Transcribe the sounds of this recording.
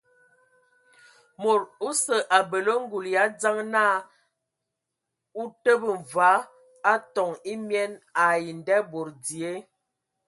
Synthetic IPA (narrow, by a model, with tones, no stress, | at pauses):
mo˨ɾu˦sə˨ʔa˨bə˨lə˦ŋ̩˦ɡu˨lja˨˦d͡za˦ŋna˦˨ | u˦tə˦bə˨ɱ˨va˨˦ | a˦tɔ˨ŋi˦mjɛ˦na˨ji˨ndɛ˦bo˨ɾdi˨e˦